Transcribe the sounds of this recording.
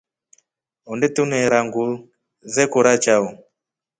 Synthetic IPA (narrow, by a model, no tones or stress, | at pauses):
ɔndɛtunɛɾaŋɡu | zɛkuɾat͡ʃaɔ